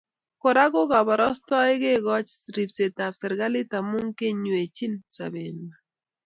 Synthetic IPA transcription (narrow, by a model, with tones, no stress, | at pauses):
ko˨ɾa˦ɡo˦ɡa˨ba˨ɾɔ˦st̪ɔ˦ɪ˦ɡe˦ɡɔ˦t͡ʃɾi˨pse˨t̪a˨psɛ˨ɾɡa˦lɪ˦ta˨mʊ˦ŋke˦ɲwe˨t͡ʃi˦nsa̰˨be˨na˨